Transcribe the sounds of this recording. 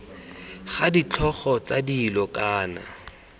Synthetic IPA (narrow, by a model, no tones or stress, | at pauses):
χadit͡ɬʰɔχɔt͡sadilɔkʼaːna̰